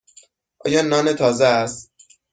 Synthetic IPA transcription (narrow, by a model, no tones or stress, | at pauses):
ʔɒ̰ːjɒːnɒːnet̪ʰɒːzeæst̪